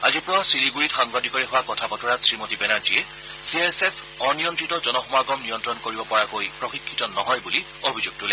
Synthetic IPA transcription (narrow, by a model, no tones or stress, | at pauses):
azipʊwasiniɡuɹitxaŋbadʱikɔɹɛɦʊwakɔtʰapɔtɔɹatsɹimotibɛnaɹd͡ʒiɛ | siasepʰ | ɔɹnijɔntɹitɔzɔnɔxɔmɔaɡɔmnijɔntɹɔnkoɹibɔpɔɹakojpɹɔxikʰːitɔnɔɦɔjbuli | obʱizuɡ̚tulɛ